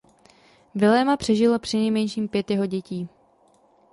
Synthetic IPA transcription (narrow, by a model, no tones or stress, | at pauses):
vɪlɛːmapr̝̥ɛʒɪlopr̥ɪnɛjmɛnʃiːmpjɛt̪jɛɦo̞ɟɛciː